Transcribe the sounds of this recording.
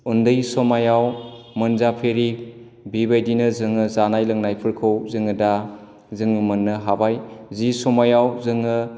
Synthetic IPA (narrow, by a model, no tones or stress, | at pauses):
undɯjsɔmajaw | mɯnzapʰeɾi | bibajdinɯzɯŋɯzanajlɯŋnajpʰɯɾkʰɯwzɯŋɯda | zɯŋɯmɯnːɯɦabajzisɔmajawzɯŋɯ